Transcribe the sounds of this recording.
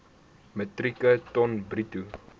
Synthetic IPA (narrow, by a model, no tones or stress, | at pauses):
mətrikətɔnbritu